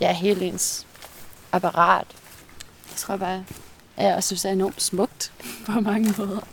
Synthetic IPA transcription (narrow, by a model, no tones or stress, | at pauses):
jɑæɐɦe̝ːld̥ens | ʔɑpʰɑʁɑ̰̈ːd̥ | jt͡sʰʁo̝ɐ̰b̥ɑ̈ː | jæɒsynsd̥æɐe̝nɒːm̥smɔ̽ɡ̥̚d̥pʰɒ̽mɑ̈ŋəmɔ̽ːð̞ˠɐ